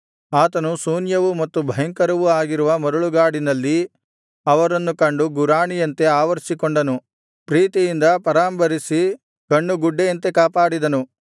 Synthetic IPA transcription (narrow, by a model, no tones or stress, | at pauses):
aːt̪ɐnusuːnjɐʋumɐt̪ːubʱɐjɐŋkɐɾɐʋuaːɡiɾuʋɐmɐɾuɭuɡaːɽinɐlːi | ɐʋɐɾɐnːukɐɳɖuɡuɾaːɳijɐnt̪e̞aːʋɐɾsikoɳɖɐnu | pɾiːt̪ijind̪ɐpɐɾaːmbɐɾisi | kɐɳːuɡuɖːejɐnt̪e̞kaːpaːɽid̪ɐnu